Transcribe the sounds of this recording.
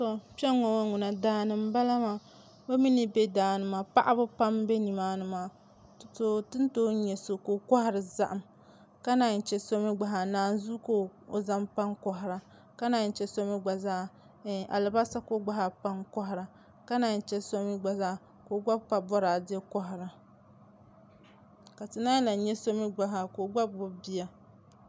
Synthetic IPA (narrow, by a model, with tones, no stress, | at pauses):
sɔ˦pɛ˦ŋːɔ˨wa˦ŋu˨na˨daː˦nɨ˨m˦ba˦la˦ma˦ | bo˦mi˦ni˦bɛ˦daː˨nɨ˨maː˨pa˦ʔa˦bɨ˦pa˦mbe˦ni˨maː˦nɨ˦maː˨ | tto˨tɨ˦n˦toː˦ɲɛ˨so˨ko˨ka˦ha˦ɾɨ˨za̰˦ʔa˨m | ka˦na˨n̩˨t͡ʃɛ˦so˦mi˦ɡ͡ba˨ɦa˨naː˨n˦zu˦ko˦o˨za˦mpa˦ŋkɔ˦ɦɪ˨ɾa˨ | ka˦na˨n˨t͡ʃɛ˦so˦mi˦ɡ͡ba˨zaː˦˨ | ʔa̰˨lɨ˨ba˦sa˦ko˦ɡ͡ba˦ɦa˨pa˦ŋkɔ˦ɦɪ˨ɾa˨ | ka˦na˨n˨t͡ʃɛ˦so˦mi˦ɡ͡ba˨zaː˦ | ko˨ɡ͡ba˦bpa˨bɔ˦ɾaː˨dɛ˦kɔ˦ɦɪ˨ɾa˨ | ka˨tɨ˨naː˦la˨˦ɲɛ˦so˦mi˦ɡ͡ba˨ɦa˨ko˨ɡ͡ba˦bbʊ˦bi˦ja˨